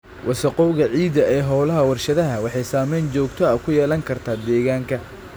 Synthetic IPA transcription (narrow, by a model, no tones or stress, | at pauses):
wʔɑsɐqɔwɣɐʕiːd̪ɐʔɛːɦɔːlɐɦɐwɐrʃɐðɐɦɐwɑħɑjsaːmɛjnt͡ʃɔːɡt̪ʰɔɐkʰʊjɛːlɐŋkʰɐrt̪ʰaːd̪ɛːɣaːŋkʰɐ